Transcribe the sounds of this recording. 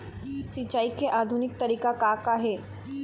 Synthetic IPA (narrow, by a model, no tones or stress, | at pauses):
sit͡ɕaikeʔad̪ʱunik̚t̪əɾikakakaɦe